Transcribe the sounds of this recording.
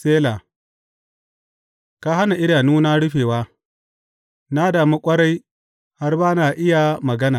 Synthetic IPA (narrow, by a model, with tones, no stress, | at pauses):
seː˦la˨ | ka˦ɦa˦na˨ʔɪ˦ɽaː˨nuː˦na˦ɽʊ˦ɸeː˨waː˦ | na˦daː˨mu˦kʷʼɐ˦ɽa˦j | ha˦rbaː˦na˨ʔɪ˦ja˨mɐ˨ɡɐ˦naː˨